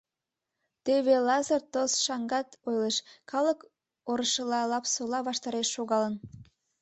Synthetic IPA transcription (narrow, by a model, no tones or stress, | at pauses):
t̪eβelɑzərt̪osʃɑŋɡɑt̪ojləʃkɑlək | oɾəʃəlɑlˠɑpsolɑβɑʃt̪ɑɾeʃːoɣɑlən